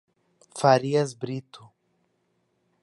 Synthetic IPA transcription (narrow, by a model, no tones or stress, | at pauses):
faɾiɐzbɾit̪ʊ